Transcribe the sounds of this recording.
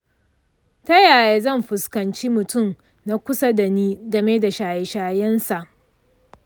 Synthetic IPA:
ta˦jaː˨jeː˨zɐ˦˨mɸʊ˨skɐ˨nt͡ʃiː˦mʊ˨tʊ˦m | na˦kʷʊ˦sa˦da˨niː˦dɐ˨meː˦da˨ʃaː˨je˨ʃaː˨jɛ˦nsa˨ʔ

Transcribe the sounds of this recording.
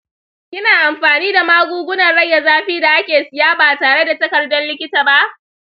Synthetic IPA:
kʲɪ˦naː˨ʔa˨mɸaː˨niː˦da˨maː˦ɡʷuː˦ɡʷʊ˦nɐ˨rɽɐ˦jːa˨zaː˦ɸiː˦da˨ʔa˦kʲeː˨sɪ˨jaː˦baː˨taː˨ɽe˦da˨tɐ˦kɐ˨rdɔ˦nlɪ˦kʲɪ˦taː˨ba˦ʔ

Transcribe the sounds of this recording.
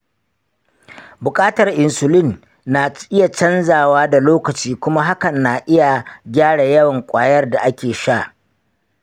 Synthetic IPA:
bʊ˨kʼaː˦tɐ˨rʔɪ˨nsʊ˨lɪ˦˨nː | a˨ʔɪ˦ja˨t͡ʃɐ˦nzaː˨waː˦da˨loː˦kɐ˨t͡ʃiː˦kʷʊ˦ma˦ɦa˦kɐ˨nːa˨ʔɪ˦ja˨ɡʲaː˦ɽa˨jɐ˦wɐ˨ŋkʷʼaː˦jɐ˦rda˨ʔa˦kʲeː˨ʃa˦˨ʔ

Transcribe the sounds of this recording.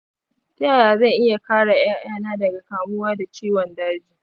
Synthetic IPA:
ta˦˨jaː˨zɐ˦˨ʔɪ˦ja˨kaː˦ɽa˨j̰a˦ŋ̰˦aː˦naː˦dɐ˨ɡa˨kaː˨mʊ˦waː˦da˨t͡ʃiː˦wɔ˨nda˦d͡ʒiː˦

